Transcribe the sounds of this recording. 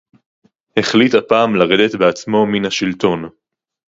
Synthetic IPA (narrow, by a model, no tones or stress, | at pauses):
heχlithapaːmlaʁed̪etbeat͡smo̞minhaʃilto̞n